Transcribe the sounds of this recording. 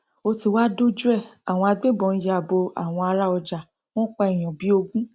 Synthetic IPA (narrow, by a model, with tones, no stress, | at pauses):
o˧ti˨wa˦do˦d͡ʒu˦ɛ˦˨a˨w̃ɔ̃˧a˧ɡ͡be˦˨bɔ̃˨˧n̩˦ja˨bo˧a̰˨w̃ɔ̃˧a˧ɾa˦ɔ˧d͡ʒa˨ | w̃ɔ̃ː˦k͡pɔ˧ɛ˨j̃ɔ̃˨bi˨˦o˧ɡũ˦